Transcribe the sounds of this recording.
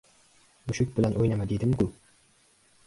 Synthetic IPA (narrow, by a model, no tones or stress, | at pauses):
mʊʃʊk̚ʲbɪlænʔojnamad̪ed̪ɪmkʊ